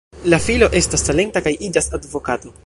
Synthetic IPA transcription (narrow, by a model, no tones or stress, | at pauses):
lafilo̞ʔe̞stasːale̞ntakajid͡ʒasadvo̞kato̞